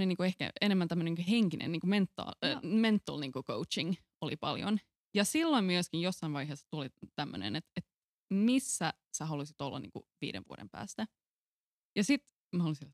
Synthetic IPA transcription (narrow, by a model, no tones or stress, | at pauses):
neniːŋkuehkæ̰enemːænt̪æmːønenːkuheŋkinʔḛnniːŋkument̪ːɑ̰ment̪ːɑlniːŋkuko̰ut͡ʃiŋ | olḭpɑ̰ljo̰n | jɑsilːoimmyøskijjosːɑinʋɑiɦeːsːɑ̥t̪ulit̪æmːø̰nḛnet̪et̪ | misːæ | sæɦɑlusit̪olːɑ̰nḭŋkṵʋḭːdḛʋʋṵo̰dḛmpæ̰ːst̪æ | jɑsit̪ | mhɑlusi